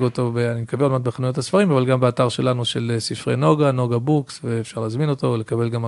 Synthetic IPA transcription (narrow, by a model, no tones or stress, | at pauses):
ɡo̞t̪o̞beanimekabelolmanbeχanujot̪asfaʁimavalɡambeataʁʃe̞lanuʃe̞lesifʁeno̞ɡano̞ɡabuksveefʃaʁleːzmino̞to̞vle̞kabe̞lɡam